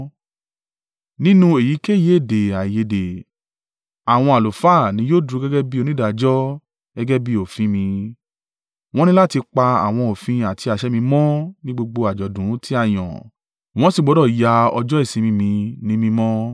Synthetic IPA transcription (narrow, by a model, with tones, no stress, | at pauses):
nĩ˦nũ˦e˨ji˨˦ke˦˨je˨˦e˦˨de˨a˨je˨de˨ | a˨w̃ɔ̃˧a˨lo˨fa˦˨nĩ˨˦joː˦dɾu˧˦ɡɛ˦ɡɛ˦bi˦o˧nĩ˦da˨d͡ʒɔ˦ | ɡ̥ɛ˦ɡɛ˦bi˦o˨fĩ˧mĩ˧ | w̃ɔ̃˦nĩ˦la˦ti˧k͡pa˧a̰˨w̃ɔ̃˧o˨fĩ˧a˨tʰi˧a˨ʃɛ˨˦mĩ˧mɔ̃˦nĩ˦ɡ͡bo˧ɡ͡bo˧a˨d͡ʒɔ˨dũ˨˦ti˦a˦˨j̃ɔ̰̃˨ | w̃ɔ̃˨˦si˦˨ɡ͡bɔ˨˦ɔ˦˨ja˧ɔ̰˧d͡ʒɔ˦e˦˨sĩ˧mĩ˧mĩ˧nĩ˦mĩ˧mɔ̃˦